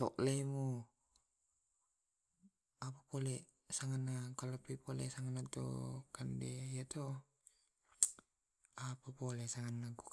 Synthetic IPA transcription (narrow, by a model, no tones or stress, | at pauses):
tɔ̰ʔlemu | apapole | saŋanːakalapipolḛsaŋanːat̪o̰kandeijat̪o | apapolesaŋanːaku